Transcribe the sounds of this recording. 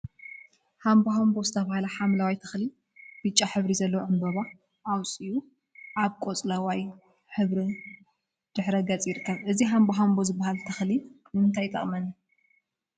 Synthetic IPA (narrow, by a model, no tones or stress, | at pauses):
hamboɦambo̞zɨt̪ʰɐβahalɐħamlawajt̪ʰɐ̥xli | b̥ɨt͡ʃʼːaħɨβɾizɐlːɐwoʕɨmbɐβa | ʔawt͡sʼiju | ʔaβkʼot͡sʼlawaj | ħɨβɾi | d̪̥ɨħɾɐɡɐt͡sʼjɪɾɨkʰːɐβʔɨziɦamboɦambozɨbːahalt̪ʰɐxli | mɨmɨnt̪ʰajt̪ʼɐ̰χʼmɐn